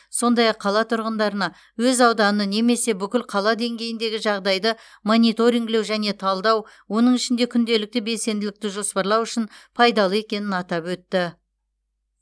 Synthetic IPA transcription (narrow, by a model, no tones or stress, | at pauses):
so̞nd̪ɑjɑqʰːɑlˠɑt̪ʰʊɾʁənd̪ɑɾənɑ | wɵzɑwd̪ɑnəne̞me̞se̞bʏkʲɪlqʰɑlˠɑd̪e̞ŋɡʲe̞jɪnd̪e̞ɡʲɪʒɑʁd̪ɑjd̪ə | mo̞nit̪o̞ɾiŋɡle̞wʒæne̞t̪ʰɑlˠd̪ɑw | wo̞nəɴɪʃɪnd̪e̞kʲʰʏnd̪e̞lɪk̚t̪ɪbe̞lse̞nd̪ɪlɪk̚t̪ɪʒo̞spɑɾlˠɑwʏʃɪnpʰɑjd̪ɑlˠəe̞kʲe̞nɪnɑt̪ɑpwɵt̪ːɪ